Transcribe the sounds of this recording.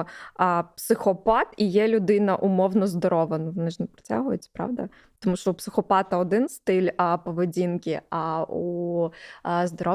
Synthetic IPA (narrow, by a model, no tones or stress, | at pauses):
psɪxɔpɑt̪ijɛlʲʊd̪ɪnɐʔʊmɔwnɔzd̪ɔɾɔʋɐnɐʋɔnɪʒnepɾɔ̥tʲa̰ɦʊjʊt̪ʲpɾɑ̰ʋd̪ɐ̰ | t̪ɔmuʃt͡ʃɔupsɪxɔpɑt̪ɐɔd̪ɪnst̪ɪlʲpɔʋɪdʲinkʲɪau | zd̪ɔɾɔ